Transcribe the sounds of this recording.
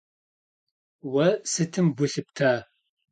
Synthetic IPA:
wɐsɨtʰɨmɡʷʊɬɨp̚tʰaː

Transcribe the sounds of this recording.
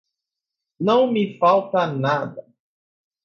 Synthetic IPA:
nɐ̃w̃mifawt̪ɐnad̪ɐ

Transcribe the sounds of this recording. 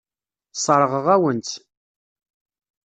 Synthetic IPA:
sˤəɾˤəʁəʁæwənt̪

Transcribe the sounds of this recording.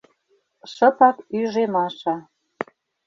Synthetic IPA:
ʃə̆pɑkyʒemɑʃɑ

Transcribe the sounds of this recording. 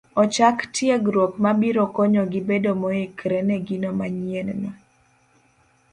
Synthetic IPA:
ɔt͡ʃaktjeɡɾopmabiɾɔkɔɲɔɡɪbedomoekɾɛnɛɡinomaɲiennɔ

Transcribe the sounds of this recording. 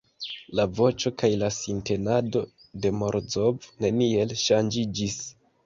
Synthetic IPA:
lavo̞t͡ʃo̞kajlasinte̞nado̞ | de̞mo̞ɾd͡zo̞vne̞nie̞lʃand͡ʒid͡ʒis

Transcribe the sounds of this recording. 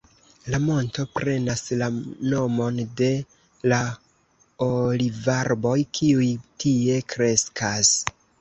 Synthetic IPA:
lamo̞nto̞pɾe̞naslano̞mo̞nde̞ | la | olivaɾbo̞jkʰiujtie̞kɾe̞skʰas

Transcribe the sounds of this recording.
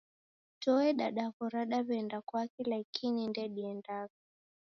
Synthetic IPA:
tɔɛɗaɗakɔɾaɗaβɛndakwakɛlaikʰinindɛɗiɛndavi

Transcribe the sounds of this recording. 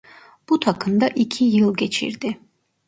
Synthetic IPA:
b̥ut̪ʰakʰɯnd̪aʔikʰijɯlˠɡʲɛt͡ʃʰḭɾd̪i

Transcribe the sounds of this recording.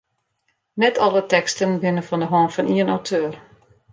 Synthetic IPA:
nɛtʰɔlˠətɛkstənbɪnəfɔndəɦɔːnfɔniənawtʰøːr

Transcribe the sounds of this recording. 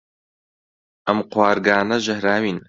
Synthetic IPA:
ʔɐmqwaːɾɡaːnɐʒɐhɾaːwiːn

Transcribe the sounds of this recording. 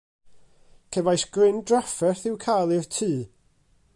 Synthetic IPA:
kʰɛvajsɡ̥rɪndrafɛrθɪwkʰajlˠɪrtʰiː

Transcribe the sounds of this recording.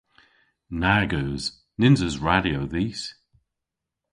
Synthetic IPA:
naɡoz̥ | nɪnzəzɹaɾioðiːs

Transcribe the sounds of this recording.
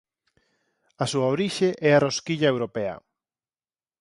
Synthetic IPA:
ɐsuaoɾiʃeʔɛaroskiʎɐewɾopɛɐ̰

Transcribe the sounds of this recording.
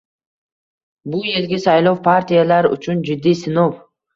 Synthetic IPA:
bʊjelɡʲɪsajlˠowpʰaɾt̪ʰijalaɾʊ̰t͡ʃʰʊnd͡ʒɪd̪ːijsɪnow

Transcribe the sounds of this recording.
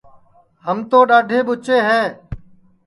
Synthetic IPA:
həmt̪oːɗaːɖʱeːɓʊt͡ʃeːɦɛː

